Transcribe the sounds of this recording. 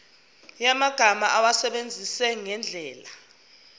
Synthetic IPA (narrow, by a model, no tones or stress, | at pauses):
jamaɡ̥ʱamaʔawasɛɓend͡zʱisɛŋɛnd͡ɮʱɛːla